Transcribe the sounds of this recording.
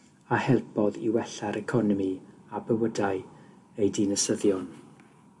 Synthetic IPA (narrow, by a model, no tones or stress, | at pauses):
ahɛlˠpʰɔðḭwɛɬaɾɛkʰɔnɔmiabəwədaɨ | ejdɪnəsəðjɔn